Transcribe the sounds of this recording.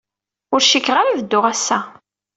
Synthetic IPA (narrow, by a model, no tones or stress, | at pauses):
ʊɾʃikːʁaɾavəd̪ːʊʁæsːæ